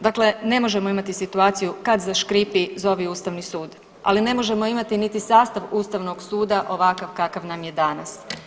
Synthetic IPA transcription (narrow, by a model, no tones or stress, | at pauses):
d̪akle̞ne̞mo̞ʒe̞moimat̪isit̪uaːt̪sijukad̪zaʃkɾipizo̞ʋiuːst̪aʋnisuːd̪ | a̰line̞mo̞ʒe̞mo̞imat̪init̪isaːst̪aʋuːst̪aʋno̞ɡsuːd̪aʔo̞ʋakaʋkakaʋnamje̞d̪anas